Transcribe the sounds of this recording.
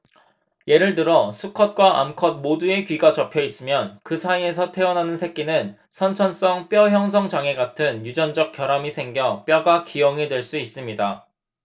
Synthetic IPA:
je̞ɾɯɭtɯɾʌsʰukʰʌt̚k͈waʔa̰mkʰʌd̚modue̞kɥiɡat͡ɕʌpʰjʌis͈ɯmjʌnkɯsʰaie̞s̬ʰʌtʰe̞ʌnɦanɯnsʰe̞k̚k͈inɯn | sʰʌnt͡ɕʰʌns͈ʌŋp͈jʌɦjʌŋs̬ʰʌŋd͡ʑaŋe̞ɡatʰɯnjud͡ʑʌnd͡ʑʌk̚k͈jʌɾamisʰe̞ŋɡjʌp͈jʌɡakijʌŋedwe̞ɭs͈uis͈ɯmɲida

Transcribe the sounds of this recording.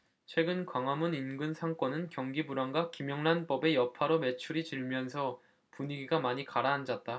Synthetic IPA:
t͡ɕʰwe̞ɡɯnkwaŋɦamuninɡɯnsʰaŋk͈ʌnɯnkjʌŋɡibuɾaŋɡakimjʌŋnanp͈ʌbe̞jʌpʰaɾome̞t͡ɕʰuɾit͡ɕɯɭmjʌnsʰʌ | puɲiɡiɡamaɲikaɾaɦːnd͡ʑat̚t͈a

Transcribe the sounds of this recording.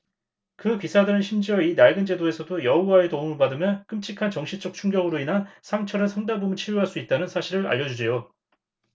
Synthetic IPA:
kɯpisʰadɯɾɯnɕʰimd͡ʑiʌinaɭɡɯnd͡ʑe̞doe̞sʰʌdojʌuaetoumɯɭpadɯmjʌnk͈ɯmt͡ɕʰikʰant͡ɕʌŋɕʰit͡ɕ͈ʌk̚t͡ɕʰuŋɡjʌɡɯɾoinɦansʰaŋt͡ɕʰʌɾɯsʰʌŋdabomɯnt͡ɕʰiʎjuɦaɭs͈uit̚t͈anɯnsʰaɕʰiɾɯɾa̰ʎːʌd͡ʑud͡ʑʰejo

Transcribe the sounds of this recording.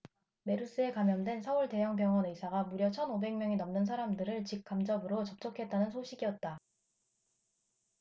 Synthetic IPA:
me̞ɾus͈ɯe̞kamjʌndwe̞nsʰʌuɭte̞jʌŋp̬jʌŋʌnɯsʰaɡamuɾjʌt͡ɕʰʌnobe̞ŋmʲjʌŋinʌmnɯnsʰaɾamdɯɾɯɭt͡ɕik̚k͈amd͡ʑʌbɯɾot͡ɕʌp̚t͡ɕ͈ʌkʰe̞t̚t͈anɯnsʰoɕʰiɡijʌt̚t͈a

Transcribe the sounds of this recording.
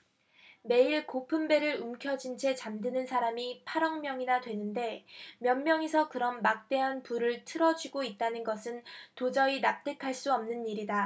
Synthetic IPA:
me̞iɭkopʰɯmbe̞ɾɯɾumkʰjʌd͡ʑint͡ɕʰe̞t͡ɕamdɯnɯnsʰaɾamipʰaɾʌŋmjʌŋinadwe̞nɯnde̞mjʌnmjʌŋesʰʌkɯɾʌnmak̚t͈e̞ɦanpuɾɯɭtʰɯɾʌd͡ʑiɡoit̚t͈anɯnɡʌsʰɯntod͡ʑʌinap̚t͈ekʰaɭs͈uʌmnɯniɾida

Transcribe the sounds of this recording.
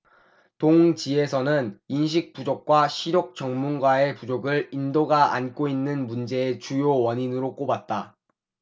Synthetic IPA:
toŋt͡ɕie̞sʰʌnɯninɕ̬ʰik̚p͈ud͡ʑok̚k͈waɕʰiɾjok̚t͡ɕ͈ʌŋmunɡwae̞pud͡ʑoɡɯɭindoɡaʔa̰nk͈oinːɯnmund͡ʑe̞et͡ɕujowʌɲinɯɾok͈obat̚t͈a

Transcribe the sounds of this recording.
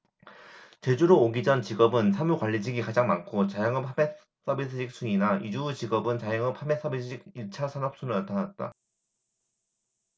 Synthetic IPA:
t͡ɕe̞d͡ʑuɾoːɡid͡ʑʌnt͡ɕiɡʌbɯnsʰamukwaʎːid͡ʑiɡikad͡ʑaŋmankʰot͡ɕajʌŋɯphʰame | s͈ʌbis͈ʰɯɕʰik̚s͈ʰuɲinaid͡ʑut͡ɕiɡʌbɯnt͡ɕajʌŋɯp̚ʰhames͈ʰʌbisʰɯɕʰik̚iɭt͡ɕʰasʰanʌp̚s͈ʰunɯɭnatʰanat̚t͈a̰

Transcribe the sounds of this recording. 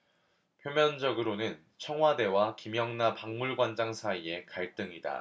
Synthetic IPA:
pʰjomjʌnd͡ʑʌɡɯɾonɯn | t͡ɕʰʌŋɦwade̞wakimjʌŋnapaŋmuɭɡwand͡ʑaŋsʰaie̞kaɭt͈ɯŋida̰

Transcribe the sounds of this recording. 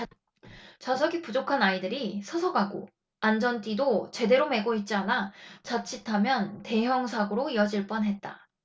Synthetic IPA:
t͡ɕasʰʌɡipud͡ʑokʰanaidɯɾisʰʌsʰʌɡɦaɡo̰ | and͡ʑʌnt͈idot͡ɕe̞de̞ɾome̞ɡoit̚t͡ɕ͈ianat͡ɕat͡ɕʰitʰamjʌnte̞ɦjʌŋsʰaɡɯɾoijʌd͡ʑiɭp͈ʌnɦe̞t̚t͈a̰

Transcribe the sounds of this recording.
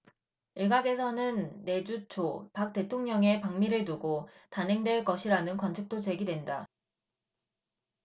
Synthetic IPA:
iɭɡaɡe̞sʰʌnɯnːe̞d͡ʑut͡ɕʰopak̚t͈e̞tʰoŋɲʌŋe̞paŋmiɾɯɭnuɡotanɦe̞ŋdwe̞ɭk͈ʌɕʰiɾanɯnkwʌnt͡ɕʰik̚t͈ot͡ɕe̞ɡidwe̞nda

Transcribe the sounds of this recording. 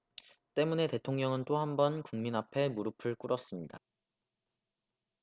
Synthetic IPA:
t͈e̞mune̞te̞tʰoŋɲʌŋɯnt͈ohambʌnkuŋminapʰe̞muɾɯpʰɯɭk͈uɾʌs͈ɯmɲida

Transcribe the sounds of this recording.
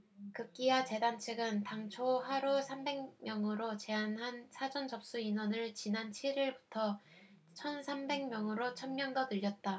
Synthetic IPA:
kɯk͈iwat͡ɕe̞dant͡ɕʰeɡɯntaŋt͡ɕʰoɦaɾusʰambe̞ŋmjʌŋɯɾot͡ɕe̞anɦansʰad͡ʑʌnt͡ɕʌp̚s͈uinwʌnɯɭt͡ɕinant͡ɕʰiɭɾiɭbutʰʌ | t͡ɕʰʌnsʰambe̞ŋmjʌŋɯɾot͡ɕʰʌnmjʌŋdʌnɯʎːʌt̚t͈a

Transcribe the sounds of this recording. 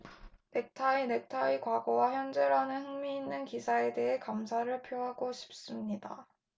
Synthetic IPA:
ne̞k̚tʰaine̞k̚tʰaikwaɡowaçjʌnd͡ʑe̞ɾanɯnhɯŋmiːnːɯnkisʰae̞de̞ɦe̞kamsʰaɾɯɭpʰjoɦaɡoɕʰi̥p̚s͈ɯmɲida

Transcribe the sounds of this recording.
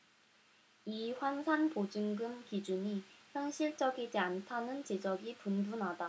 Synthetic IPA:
iɸwansʰanpod͡ʑɯŋɡɯmkid͡ʑuɲiçjʌŋɕʰiɭt͡ɕ͈ʌɡid͡ʑiantʰanɯnt͡ɕed͡ʑʌɡipunbunɦada

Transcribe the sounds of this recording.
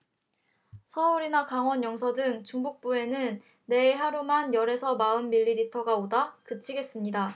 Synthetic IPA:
sʰʌuɾinakaŋwʌnjʌŋsʰʌdɯŋt͡ɕuŋbuk̚p͈ue̞nɯnː | e̞iɭɦaɾumanjʌɾe̞sʰʌmaɯnmiʎːiɾitʰʌɡaodakɯt͡ɕʰiɡe̞s͈ɯmɲida

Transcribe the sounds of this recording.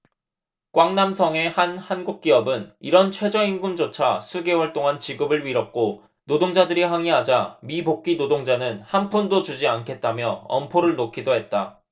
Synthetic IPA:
kwaŋnamsʰʌŋe̞hanhanɡuk̚k͈iʌbɯniɾʌnt͡ɕʰwe̞d͡ʑʌinɡund͡ʑot͡ɕʰasʰuɡe̞wʌɭt͈oŋant͡ɕiɡɯbɯɭɥiɾʌp̚k͈o | nodoŋd͡ʑadɯɾiɸwaŋiɦad͡ʑamibok̚k͈inodoŋd͡ʑanɯnhanpʰundod͡ʑud͡ʑiankʰe̞t̚t͈amjʌʌmpʰoɾɯɭnokʰidoɦe̞t̚t͈a

